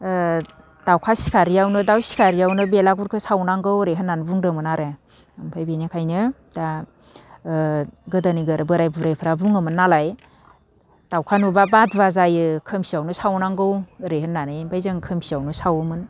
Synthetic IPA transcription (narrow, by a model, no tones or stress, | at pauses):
d̥awkʰasi̥kʰaɾijawnɯdawsi̥kʰaɾijawnɯbelaɡuɾkʰɯsawnaŋɡɯwɾeɦɯnːanbuŋɾɯŋmɯnaɾe | mpʰajbenikʰajnɯ | d̥a | ɡɯdaniɡɯɾbɯɾajbuɾajpʰɯɾabuŋɯmɯnːalaj | d̥awkʰanubabadbazajɯkʰɯmsiawnɯsawnaŋɡɯwɾeɦɯnːanɯjbajzɯŋkʰɯmsiawnɯsawɯmɯn